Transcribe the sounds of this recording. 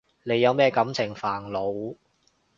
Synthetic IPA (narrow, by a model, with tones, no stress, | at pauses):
ne˨˧jːɐ˨˧wmɛː˥kɐ˨˥mt͡sʰɪ˨˩ŋfaː˨˩ŋlo˨˧w